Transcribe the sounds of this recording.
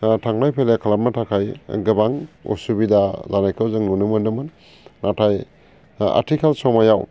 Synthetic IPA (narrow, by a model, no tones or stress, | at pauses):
tʰaŋlajpʰelekʰalap̚natʰakʰajɡɯbaŋṵsubidazanajkʰɯwzɯŋnunɯmɯndɯmɯnː | atʰaj | a̰tʰikʰalsɔmajaw